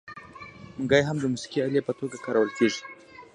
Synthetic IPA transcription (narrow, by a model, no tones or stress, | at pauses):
muŋɡajɦamd̪əmusi̥kialjepət̪oɡakaɾawəlkeʐi̥